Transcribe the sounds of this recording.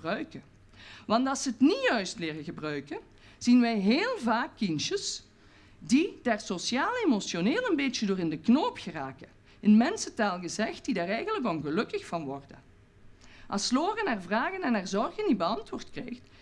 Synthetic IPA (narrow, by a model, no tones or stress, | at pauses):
rœɥkə | ʋɑntɑlˠsəətnijœɥstlɪːrəɣəbrœɥkə | z̥inʋɛjɦeːlˠvaːkːinʃəs | did̥aːrsosjaːlˠemosjoneːlˠənbeːt͡ʃədoːrɪndəknoːpxəraːkə | ɪnmɛnsətaːlˠɣəzɛxt̚d̥idaːrɛjɣənlək̬ʋɔlˠɣəlɵkəxfɑnʋɔrdə | ʔɑsloːrənarvraːɣənɛnarzɔrɣəndibəɑntʋʊːrtkrejxt